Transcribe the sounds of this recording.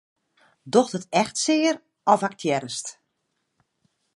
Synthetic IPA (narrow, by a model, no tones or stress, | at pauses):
doxtətɛxtsɪːəɾ | ɔfak̚tʰjɛɾəst